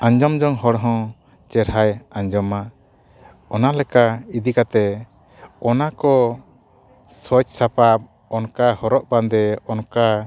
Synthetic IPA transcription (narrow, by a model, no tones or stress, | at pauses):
aɲd͡ʒɔmd͡ʒɔŋɦɔɽɦɔ̃ | t͡ʃɛɾɦajaɲd͡ʒɔma | ɔnalɛkaid̪ikat̪ɛ | ɔnakɔ | sɔt͡ʃsapap̚ | ɔnkahɔɾɔʔband̪ɛɔnka